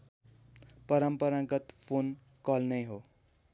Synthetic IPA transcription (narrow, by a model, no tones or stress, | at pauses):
pʌɾʌmpʌɾãɡʌt̪pʰon | kʌlnʌjɦo